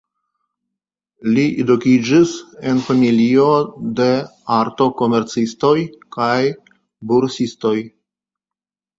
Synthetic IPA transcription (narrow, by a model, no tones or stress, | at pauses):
liʔedukid͡ʒise̞nfamilio̞de̞aɾto̞ko̞me̞ɾt͡sisto̞jkaj | buɾsisto̞j